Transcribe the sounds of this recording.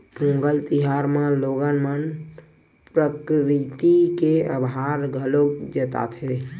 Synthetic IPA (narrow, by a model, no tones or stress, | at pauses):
pũŋɡəlt̪iɦaɾmãloɡənmən | pɾəkɾit̪ikeəbɦaɾɡʱəlod͡ʒət̪a̰t̪ʰe